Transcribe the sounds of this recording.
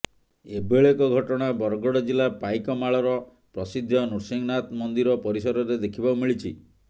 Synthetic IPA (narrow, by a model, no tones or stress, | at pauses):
ebeɭekɔɡʱɔʈɔɽ̃abɔɾɡɔɽɔd͡ʒilapajkɔmaɭɔɾɔ | pɾɔsid̪ʱjɔnuɾsiŋnat̪mɔnd̪iɾɔpɔɾisɔɾɔɾed̪ekʰibaumiɭit͡ʃʰḭ